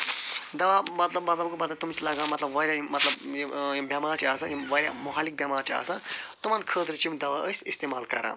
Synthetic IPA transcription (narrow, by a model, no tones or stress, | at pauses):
d̪ɐwamɐt̪lɐbmɐt̪lɐbkomɐt̪lat̪umit͡sʰilɐɡãmɐt̪lɐbʋɐɾʲjajmɐt̪lɐbbʲjamaːɾʈʰiasajiʋɐɾʲja̰muɦaːlik̚bjamaːɾt͡ʃʰia̰ːsat̪umankʰəːd̪ɾɨt͡ʃimd̪ɐwaʔəsʲist̪emaːlkɐɾã̰ː